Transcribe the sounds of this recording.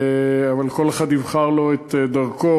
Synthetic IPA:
eavalko̞leχad̪nivχaʁlo̞et̪ed̪aʁko

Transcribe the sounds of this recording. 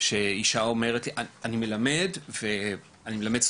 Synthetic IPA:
ʃeiʃao̞me̞ʁetliʔaanime̞lame̞dve | animelameds

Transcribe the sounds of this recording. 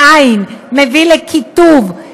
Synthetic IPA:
ainmevilekʰit̪uv

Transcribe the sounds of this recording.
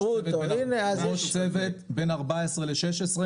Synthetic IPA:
uvetbnineazoʃt͡sevet̪benaʁbaesʁeleʃeʃesʁe

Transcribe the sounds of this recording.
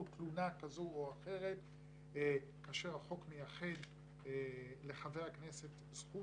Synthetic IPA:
utlunakazooaχe̞ʁe̞t̪ | kaːʃeʁaχo̞kmejaχe̞d̪ | le̞χavejaknese̞t | zχu

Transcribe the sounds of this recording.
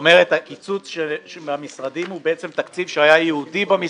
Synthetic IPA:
me̞ʁethakit͡sut͡sʃeʃeamisʁadimhubeet͡se̞mt̪akt͡sivʃehajajeudibami

